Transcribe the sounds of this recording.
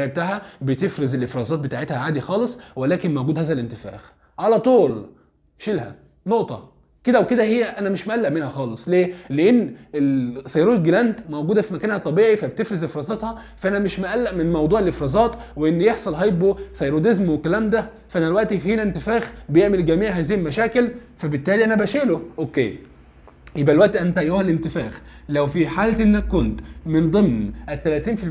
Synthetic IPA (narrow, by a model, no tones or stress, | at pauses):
ʕeb̚t̪aːʕhæbet̪efɾezelʔefɾˤɑzˤɑːt̪̚bet̪aːʕet̪hæʕaːd̪ixɑːlesˤwelæːkenmowɡuːd̪hæːzælʔent̪efæ̰ːx | ʕalæt̪ˤuːl | ʃelhæ̰ | noʔt̪ˤɑ | ked̪æwked̪æhejːæʔænæmeʃmʔælːæʔmenhæxɑːlesˤleːleʔenːelsɑjɾuːlɡelænt̪mowɡuːd̪æfimækæːnhæt̪ˤɑbiːʕifæbt̪efɾezʔefɾɑːzˤɑt̪hɑ | fæʔænæmeʃmæʔælːæʔmenmɑwd̪ˤuːʕelʔefɾɑːzˤɑːt̪weʔenːjeħsˤɑlɦæjebosɑjɾod̪ezmwekːælæːmd̪æ | fʔænælwæʔt̪ifhiːnæent̪efæːxbejeʕmelɡæmiːʕɦæːziːhlmæʃæːkelfæbet̪ːæːliʔænæbæʃeːloʔokːḛː | jebʔælwæʔt̪iʔænt̪æʔæjːohælent̪ɪfæːxlæwfiħaːlt̪ʔenːækːont̪mend̪ˤemnʔet̪ːælæt̪iːnfil